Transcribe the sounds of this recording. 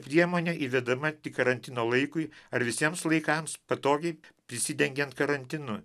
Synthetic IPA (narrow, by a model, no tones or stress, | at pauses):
pʲɾʲiɛmoːnʲeːʔiːʋʲɛd̪ɐmɐt̪ʲɪkɐɾɐnʲt̪ʲɪnoːlˠɐɪkʊɪɐɾʋʲɪsʲiɛmslˠɐɪkɐmspɐt̪oːɡʲɛɪpʲɾʲɪsʲɪd̪ʲɛŋʲɡʲɛnt̪kɐɾɐnʲt̪ʲɪnʊ